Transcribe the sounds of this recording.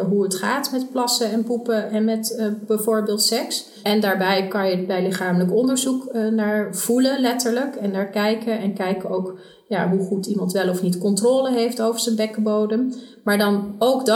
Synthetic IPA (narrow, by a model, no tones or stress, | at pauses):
ɦuətχaːtmɛtplɑsəɛnpupəɛnmɛtbɛjvoːɹbɪːlˠtsɛks | ɛndaːɹbɛjkɑnjəbɛjlɪχaːmələkɔndəɹzuknaːɹv̥ulənlɛtəɹləkɛnːaːɹkɛjkənɛnkɛjkəowk | ja̰ːɦuχutimɑntʋɛlɔfnitkɔntroːləɦejftowvəɹz̥ənbɛkəbowdəmmaːɹdɑnowɡd